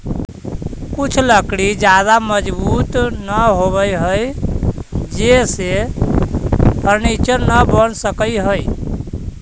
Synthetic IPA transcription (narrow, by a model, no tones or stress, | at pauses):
kut͡ʃʰləkɽid͡ʒad̪aməd͡ʒbut̪nəɦoβəjɦəj | d͡ʒese | pəɾmet͡ʃəɾnəbənsəkəjɦəj